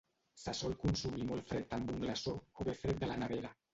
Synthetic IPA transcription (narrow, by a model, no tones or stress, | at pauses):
sasɔlkunsumimolfɾet̪ambuŋɡlasooβefɾet̪̚d̪əlanaβeɾa